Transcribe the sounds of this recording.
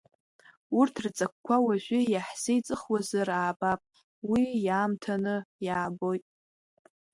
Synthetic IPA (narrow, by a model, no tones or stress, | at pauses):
urtʰrt͡sʼak̚ʷkʷʰawaʒʷᶣɪjaħsejt͡sʼɨχwazaraːbapʼ | wijaːmtʰanɨjaːbo̞jtʼ